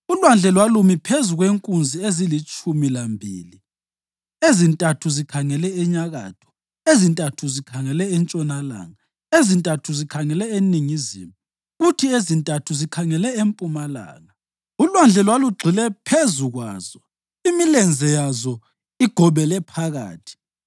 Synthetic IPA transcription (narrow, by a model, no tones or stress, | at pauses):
ulwand͡ɮʱɛlwalumipʰezuɣweŋkʼund͡zʱiezilit͡ʃʼumilambʱḭːli | ezintʼatʰuzikʰaŋɛlɛɛɲaɣa̰ːtʰɔ̥ | ezintʼatʰuzikʰaŋɛlɛɛnt͡ʃʼɔnala̰ːŋa | ezintʼatʰuzikʰaŋɛlɛeniŋizḭmu | ɣutʰiezintʼatʰuzikʰaŋɛlɛempʼumala̰ːŋa | ulwand͡ɮʱɛlwaluɡ͡ǀʱilɛpʰezuɣwa̰ːzɔ | imilɛnd͡zʱɛjazɔ | iɡ̥ʱɔβɛlɛpʰaɣa̰ːtʰi̥